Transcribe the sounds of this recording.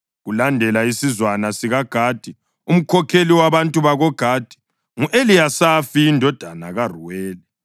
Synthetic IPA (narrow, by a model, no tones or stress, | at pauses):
ɣulandʱɛlaisizwanasiɣaɡ̥ʱaːd̥ʱi | um̩kʰɔkʰeliwaβantʼuβaɣɔɡ̥ʱaːd̥ʱi̥ | ŋuʔelijasafiːndʱɔd̥ʱana̰ɣaruwɛːlɛ